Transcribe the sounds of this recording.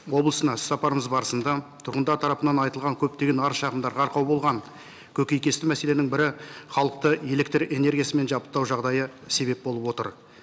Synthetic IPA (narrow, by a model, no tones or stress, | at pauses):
wo̞blˠəsənɑ̥sːɑpɑɾəməzbɑɾəsənd̪ɑt̪ʰʊɾʁənd̪ɑɾt̪ʰɑɾɑpənɑnɑjt̪əlˠʁɑŋkʲʰɵp̚t̪e̞ɡʲe̞nɑɾʃɑʁəmd̪ɑɾʁɑɾqʰɑwbo̞lˠʁɑŋ | kʲʰɵkʲe̞jkʲe̞st̪ɪmæse̞le̞nɪŋbɪɾɪχɑlˠəq̚t̪əe̞le̞kt̪re̞ne̞ɾɡʲijasəme̞nʒɑpə̥t̪ːɑwʒɑʁd̪ɑjəse̞be̞p̚bo̞lˠəpwo̞t̪ə̰ɾ